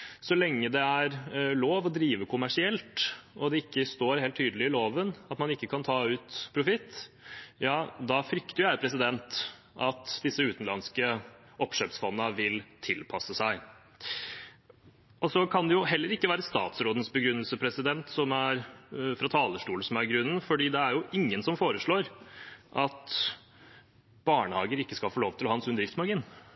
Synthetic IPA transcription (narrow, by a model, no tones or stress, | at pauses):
sɔlɛŋːəd̪ɛæɾloːʋɔd̪ɾiːʋəkʰʊmæʂɪɛlt̪ɔd̪ɛɪkːəst̪oːɾhelt̪ʰːyːd̪əlɪɪloːʋənɑt̪mɑnɪkːəkʰɑnt̪ʰɑːʉːt̪pʰɾʊfɪt̪ː | jɑːd̪ɑfɾʏkt̪əjʊjæɪpʰɾɛs̬ɪd̪ɛnt̪ | ʔɑt̪d̪ɪsːəʉːt̪n̩lɑnskə | ʔɔpʂøːpsfɔnːəʋɪlt̪ʰɪlpʰɑsːəsæɪ | ʔɔsɔkʰɑnd̪ɛjʊɦɛlːəɾɪkːəʋæːɾəst̪ɑ̰ːt̪sɾoːd̪n̩sbəɡɾʉnːəlsəpʰɾɛsɪd̪ɛnt̪sɔmæɾfɾɑt̪ʰɑːləʂʈuːlsɔmæɾɡɾʉnənfɔɖiːd̪ɛæɾjʊʔɪŋːənsɔmfoːɾəʂɭoːɾʔɑt̪ | b̥ɑːɳəhɑːɡəɾɪkːəskɑlfoːloːʋt̪ɪlhɑːɑnsʉnd̪ɾɪft̪smɑɡiːn